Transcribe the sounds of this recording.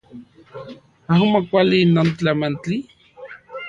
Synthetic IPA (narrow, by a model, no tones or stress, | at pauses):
aɦumokʷalinont͡ɬamant͡ɬi